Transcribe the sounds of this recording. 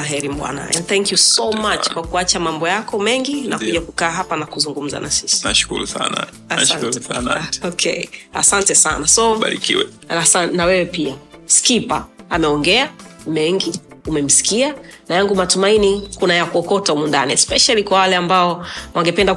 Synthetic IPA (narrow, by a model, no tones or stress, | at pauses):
aɦɛɾim̩ɓwa̰na̰ɛ̰ndθɛŋkjusɔmat͡ʃkwakuat͡ʃamambɔjakɔmɛŋɡinakuʄakukaːɦapanakuzuŋɡum̩za̰na̰sisi̥naʃkṵɾṵsa̰na̰ | asantaɔkʰɛa̰santɛsa̰nasɔɓa̰ɾḭkḭwɛ | aanawɛwɛpiaskipaːmɛɔŋɡɛamɛŋɡiumɛm̩si̥kianajaŋɡumatumainikunajakuɔkɔtaumundaniɛspɛʃalikwawalɛambaɔwʔaŋɡɛpɛnda